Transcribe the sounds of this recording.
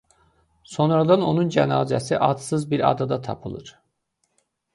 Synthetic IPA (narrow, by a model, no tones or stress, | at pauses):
so̞nɾad̪ano̞nund͡ʒænɑːzæsiʔɑt̪sɯzbiɾɑ̰d̪ad̪at̪ʰɑ̰pʰɯlˠɯ̰ɾ̥